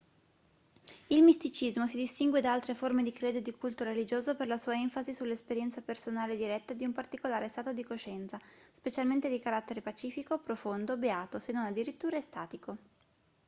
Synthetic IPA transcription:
ilmist̪it͡ʃizmosid̪ist̪iŋɡwed̪aalt̪ɾeformed̪ikɾeːd̪od̪ikult̪oɾelid͡ʒoːzoperlasuːaɛɱfazisulːespeɾjɛnt̪sapersonaːled̪iɾɛt̪ːad̪iumpart̪ikolaːɾest̪aːt̪od̪ikoʃɛnt̪saspet͡ʃalment̪ed̪ikaɾat̪ːeɾepat͡ʃiːfikopɾofond̪obeaːt̪osenːonad̪ːiɾit̪ːuːɾaest̪aːt̪iko

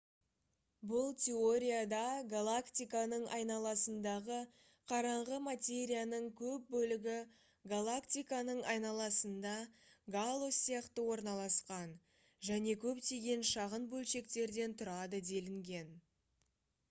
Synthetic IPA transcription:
bʊlˠt̪ʲʰe̞o̞ɾʲijad̪ɑɡalˠakt̪ʲijkanəɴʔɑjnɑlˠɑsənd̪ɑʁə | qʰɑɾɑɴʁəmat̪ʲe̞ɾʲijanəɴkʲʰɵp̚bɵlɪɡʲɪ | ɡalˠakt̪ijkanəɴɑjnɑlˠɑsənd̪ɑɡalˠosijɑqt̪əwo̞ɾnɑlˠɑsqɑn | ʒæne̞kʲʰɵpt̪eɡʲe̞nʃɑʁənbɵlʃe̞kt̪e̞ɾd̪e̞nt̪ʰʊɾɑd̪əd̪e̞lɪŋɡʲe̞n

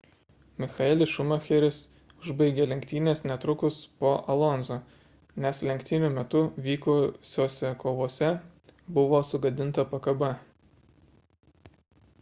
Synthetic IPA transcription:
mʲɪxɐɛlʲɪʃʊmɐxʲɛɾʲɪs | ʊʒbɐɪɡʲeːlʲɛŋʲkt̪ʲiːnʲeːsnʲɛt̪ɾʊkʊspoːʔɐlˠɔnzoː | nʲɛslʲɛŋʲkʲt̪ʲɪnʲʊmʲɛt̪ʊʋʲiːkosʲoːsʲɛkoːʋoːsʲɛ | bʊʋoːsʊɡɐd̪ʲɪnt̪ɐpɐkɐbɐ

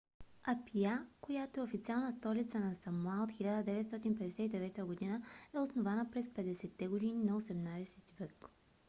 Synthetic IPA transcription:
ɐpiakojat̪oɛofit̪sialˠnəst̪ɔlit̪sənɐsɐmuaot̪xilʲad̪əd̪ɛvɛt̪st̪ɔt̪inpɛd̪ɛsɛt̪id̪ɛvɛt̪əɡod̪inəɛosnovanəpɾɛspɛd̪ɛsɛt̪ːɛɡod̪ininɐosɛmnad̪ɛsɛt̪ivək

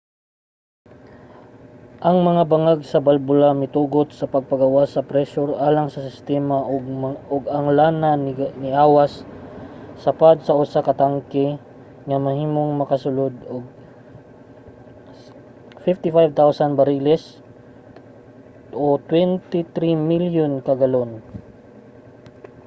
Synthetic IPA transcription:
ʔɐŋmɐŋabɐŋaɡ̚sɐbalbʊlamɪt̪uːɡot̪̚sɐpɐɡ̚pɐɡɐwasːɐpɾɛʃʊɾʔaːlaŋsɐsɪst̪ɛmaʔoɡ̚oɡɐŋlanannɪʔaːwasː | ɐpad̪̚sɐʔʊsakɐt̪aŋkɛ | ŋɐmɐhiːmoŋmɐkɐsʊlod̪oɡ̚ | fɪft̪ɪfajb̚t̪awsɐnbɐɾilɛs | ʔot̪wɛnt̪ɪt̪ɾimiljonkɐɡɐlon

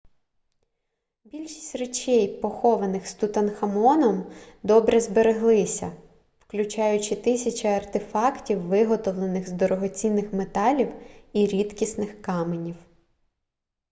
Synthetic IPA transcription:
bʲilʲʃi̥sʲtʲret͡ʃɛjpɔxɔʋɐnɪxst̪ut̪ɐnxɐmɔnɔmd̪ɔbɾɛzbeɾeɦlˠɪsʲɐ̰ | wklʲʊt͡ʃɑjʊt͡ʃɪt̪ɪsʲɐt͡ʃɐɐrt̪ɪfɑktʲiwːɪɦɔt̪ɔʋlˠenɪɣzd̪ɔɾɔɦɔt͡sʲinːɪxmet̪ɑlʲiwiɾʲit̪kʲisnɪxkɑmenʲiw

